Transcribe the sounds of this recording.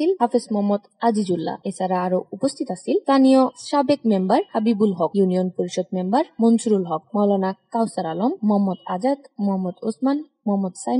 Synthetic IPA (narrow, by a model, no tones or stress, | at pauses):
ilɦafesmɔɦmːɔd̪ad͡ʑid͡ʑulːa̰et͡ɕʰaɾaaɾoupost̪ʰit̪asʰilt̪anijoʃabekmembaɾhabibulɦɔkjunijonpoɾiʃod̪̚membaɾmonsuɾulɦɔk̚mɔlanakawsaɾalomːɔɦamːɔd̪ad͡ʑad̪mɔɦamːɔd̪o̰sman | mɔɦmːɔd̪sa